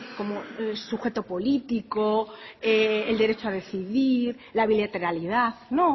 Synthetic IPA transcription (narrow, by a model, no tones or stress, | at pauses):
ko̞mosuxe̞t̪opo̞lit̪iko̞eːld̪e̞ɾe̞t͡ʃoaðe̞θiðiɾ | laβ̞ilat̪e̞ɾaliðaθno